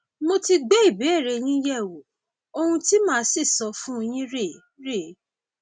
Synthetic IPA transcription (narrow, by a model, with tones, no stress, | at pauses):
mo˧ti˧ɡ͡be˦i˦˨bi˨˦ɛ˦˨ɾe˧j̃ĩ˦jɛ˦˨wo˨ | o˧hũ˧ti˦mãː˦si˦˨sɔ˧fũ˦o˧j̃ĩ˦ɾe˦˨ | ɾe˦˨˦